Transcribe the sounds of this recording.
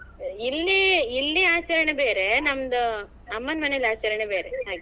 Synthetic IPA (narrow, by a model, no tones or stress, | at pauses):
ilːiilːiaːt͡ʃɐɾɐɳebeːɾenɐmːɐd̪ɐ | ɐmːɐnmɐnelaːt͡ʃɐɾɐɳebeːɾeɦaːɡi